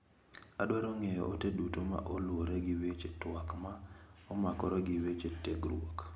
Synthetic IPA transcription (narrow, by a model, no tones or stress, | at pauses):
adwaɾɔŋɛjɔ̰ʔotedutoma̰ʔɔlwoɾeɡɪwet͡ʃetwakmaɔmakɔɾɔɡɪwet͡ʃeteɡɾwok